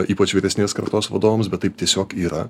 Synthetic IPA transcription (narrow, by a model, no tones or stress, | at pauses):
iːpɐt͡ʃʋʲiːɾʲɛsʲnʲeːskɐɾt̪oːsʋɐd̪oːʋoːmsbʲɛt̪tɐɪp̚t̪ʲiɛsʲoːkiːɾɐ